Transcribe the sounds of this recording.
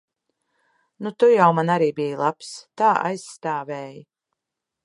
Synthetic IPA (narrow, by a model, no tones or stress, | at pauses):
nut̪ujawmanaɾiːbijlˠapst̪aːʔa̰jsːt̪aːvɛːji